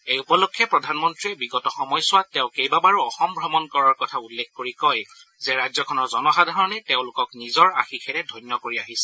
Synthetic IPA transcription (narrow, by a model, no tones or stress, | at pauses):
ejupɔlokʰːɛpɹɔdʱanmɔntɹiɛbiɡɔtɔxɔmɔjsʊwatːɛʊ̃kejbabaɹuɔxɔmbʱɹɔmɔnkɔɹaɹkɔtʰaulːekʰkoɹikɔj | zɛɹajzɔkʰɔnɔɹzɔnɔxadʱaɹɔnɛtẽʊ̃lʊkɔknizɔɹa̰xikʰɛnɛdʱɔjnjɔkoɹiaɦisɛ̥